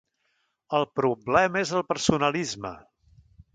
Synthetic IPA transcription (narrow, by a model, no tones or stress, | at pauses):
əlˠpɾublɛməezəlˠpəɾsunəlizmə̰